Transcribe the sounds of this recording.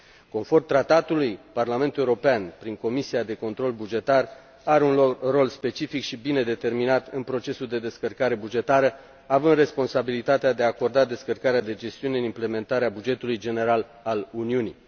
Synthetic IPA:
ko̞nfo̞rmt̪ɾat̪at̪ulujparlame̞nt̪uleuɾo̞peanpɾiŋko̞misiad̪e̞ko̞nt̪ɾo̞lbud͡ʒe̞t̪ar | aɾeunro̞lspe̞t͡ʃifikʃibine̞d̪e̞t̪e̞rminat̪ɨnpɾo̞t͡ʃe̞suld̪e̞d̪e̞skərkaɾe̞bud͡ʒe̞t̪aɾə | avɨnd̪re̞spo̞nsabilit̪at̪ead̪e̞aːko̞rd̪ad̪e̞skərkaɾead̪e̞d͡ʒe̞st̪iune̞ɨnimple̞me̞nt̪aɾeabud͡ʒe̞t̪ulujd͡ʒe̞ne̞ɾal | aluniuni

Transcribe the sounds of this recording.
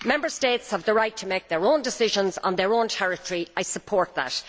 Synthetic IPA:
mɛ̃mbə˞stetshəvðəɹaɪtʰəmeɪk̚ðə˞õʊ̃ndɪsɪʒə̃nz̃n̩ðə˞õntʰɛɹɪtʰəɹiaɪsəpʰɔɹt̪̚ðə̰t

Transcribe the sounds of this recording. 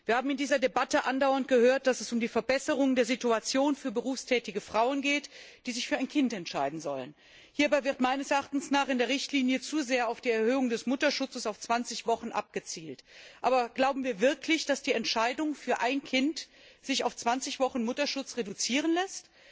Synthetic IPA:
v̥iːɐhaːbm̩ɪndiːzɐdebatəʔandaʊɐnt̚ɡ̥əhøːɐt̚d̥asɛsʊmdiːfɛɐbɛsəʁ̞ʊŋdeːɐzituat͡sjoːnfyːɐbəʁ̞uːfstʰɛːtɪɡəfʁ̥aʊənɡeːtd̥iːzɪçfyːɐaɪnkʰɪntɛntʃaɪdn̩zɔ̰lə̰n | hiːɐbaɪvɪʁtmaɪnəsɛɐʔaχtn̩snaːχɪndeːɐʁɪçtliːnjət͡suːzeːɐaʊfd̥iːɛɐhøːʊŋdɛsmʊtɐʃʊt͡səsaʊft͡sv̥ant͡sɪçv̥ɔχn̩ʔa̰p̚ɡ̥ət͡siːltʔaːbɐɡ̥laʊbm̩viːɐvɪɐklɪçd̥asd̥iːɛntʃaɪdʊŋfyːɐʔaɪnkʰɪnt | z̥ɪçaʊft͡sv̥ant͡sɪçv̥ɔχn̩mʊtɐʃʊt͡sʁedut͡siːʁ̞ənlɛst

